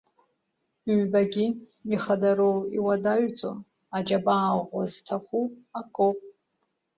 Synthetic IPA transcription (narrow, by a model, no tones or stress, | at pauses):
ɥbaɡʲimiχadaɾowiwadaʒt͡sʼo̰n | ad͡ʒabaːʁʷaztʰaχʷuakʼopʼ